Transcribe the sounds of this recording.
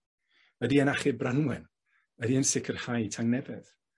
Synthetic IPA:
ədiənaχɪbranwɛn | ədiənsɪkʰərhajtʰaŋnɛvɛð̥

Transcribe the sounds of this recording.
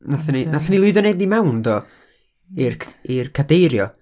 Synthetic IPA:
naθaninaθanilˠʊɨðɔnejdnimawndɔ | irʰirkʰadejɾjɔ

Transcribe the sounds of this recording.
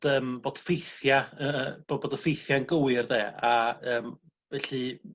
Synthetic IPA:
d̥əːmboːd̥fejθjaəb̥oboːdəfejθjaənɡəwɪrðeːaəːm | vɛɬɨ

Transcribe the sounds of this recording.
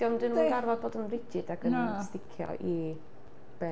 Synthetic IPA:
d̥ɔmdɨnmaɡarvɔdboːdənrɪd͡ʒɪdaɡənastɪkʰjɔ̰ʔi | b̥ɛ

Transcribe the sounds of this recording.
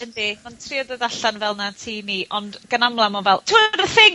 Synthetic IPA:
əndimantʰriɔðəðaɬanvɛlˠnatʰiːniʔɔndɡ̥ənamlˠamɔvɛlˠtʰuɾəθɪŋ

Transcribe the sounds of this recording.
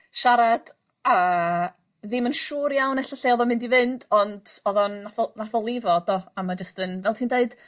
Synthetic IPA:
ʃaɾad̥ | a | ðɪmənʃuːɾjawnɛɬɔɬeːɔðɔmɪndivɪnd̥ɔnd̥ɔðɔnːaθɔnaθɔlˠɪvɔd̥ɔamad͡ʒəstənvɛlˠtʰiːndeɨd̥

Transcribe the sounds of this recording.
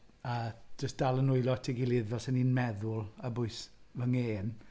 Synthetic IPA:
ad͡ʒəstd̥alˠənʊɨlɔtʰiɡɪlˠɪðvɛsɛniːnmɛðʊlˠəbʊɨsvəŋeːn

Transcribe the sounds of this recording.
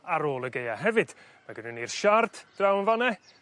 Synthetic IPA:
aɾoːlˠəɡejaɦɛvɨd̥ | maɡənənirʃard̥d̥rawnvanɛ

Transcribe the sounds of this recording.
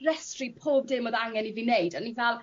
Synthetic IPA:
rɛstripʰoːb̚dɪmoðaŋɛnivinejdanːivɛlˠ

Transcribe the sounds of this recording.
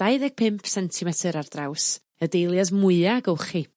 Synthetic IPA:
d̥aɨðɛɡ̥̚pʰɪmpʰsɛntʰimɛtʰɨɾardraws | ədejlˠjasmʊɨaɡəwχi

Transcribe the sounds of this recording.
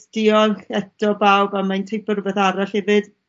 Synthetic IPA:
d̥ɪɔlɛtɔbawbamajntʰejpərvɛθaɾaɬhɛvɨd̥

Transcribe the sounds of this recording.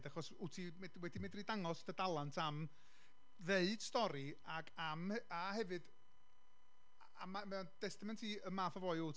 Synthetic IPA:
daχɔsutʰimɛdwɛdimɪdridaŋɔsd̥ədalˠantʰam | veɨd̥stɔɾi | aɡamahɛvɨd̥ | amamɛnd̥ɛstamɛntʰiəmaːfavɔːɨut

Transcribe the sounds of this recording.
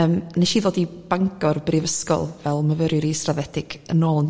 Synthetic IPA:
əːmnɛʃiːðoːdib̥aŋɡɔrbrivəskɔ̰lˠvɛlˠməvəɾjʊɾistravɛdɪɡ̥ənoːlˠn

